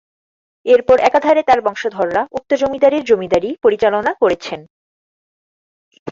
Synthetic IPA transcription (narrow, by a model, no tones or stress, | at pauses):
eɾpɔɾʔɛkad̪ʱaɾet̪aɾbɔŋʃod̪ʱɔɾːaʔuk̚t̪od͡ʑomid̪aɾiɾd͡ʑomid̪aɾipoɾit͡ɕalonakoɾet͡ɕʰen